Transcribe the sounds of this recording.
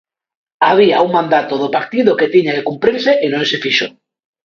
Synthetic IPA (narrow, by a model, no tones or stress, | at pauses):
aβ̞iauŋmãnd̪at̪oð̞opaɾt̪iðoket̪iɲakekumpɾiɾseʔenõnsefiʃo